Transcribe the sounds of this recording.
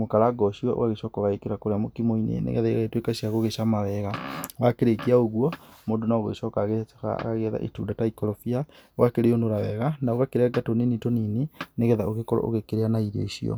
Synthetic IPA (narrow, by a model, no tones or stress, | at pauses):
mokaɾaɡɔɕiɔ̰ʔo̰waɣeʃɔkɔɣaekeɾakoɾeamokimoinḛnḛɣɛ̰ðaeɣaetwekaɕiaɣoɣeɕamawɛɣawakeɾekiaoɣwɔmondonaɔɣoeʃɔkaɣeka̰ɣaɣeða̰ʔḛtuːdataikɔɾɔfiaoɣakeɾeondoɾawɛɣanaoɣakeɾeaɡatoninitonineneɣɛðaoɣekɔɾɔ̰ʔo̰ɣekeɾeanaiɾḛiɕiɔ̰